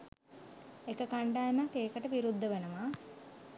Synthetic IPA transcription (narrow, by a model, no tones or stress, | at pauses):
ekəkaɳɖaːjemakːeːkəʈəʋiɾud̪ʱːəʋenəma